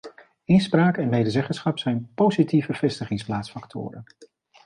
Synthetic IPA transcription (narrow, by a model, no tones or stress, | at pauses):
ɪnspraːkɛnmejdəzɛχənsχɑpsɛjnpowzitivəv̥ɛstəχɪŋsplaːtsfɑktʰʊ̰ːɾən